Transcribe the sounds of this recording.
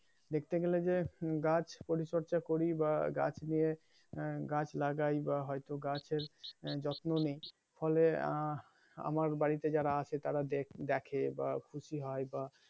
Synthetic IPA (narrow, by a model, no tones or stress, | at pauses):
d̪ekʰt̪eɡeled͡ʑeɡat͡ɕʰpoɾiʃoɾt͡ɕakoɾibaɡa̰t͡ɕʰnije | ɡat͡ɕʰlaɡajbaɦɔjt̪oɡat͡ɕʰeɾd͡ʑɔt̪nonej | fɔle | a̰maɾbaɽit̪ed͡ʑaɾaat͡ɕʰet̪aɾad̪ed̪ɛkʰeba̰kʰuʃiɦɔeba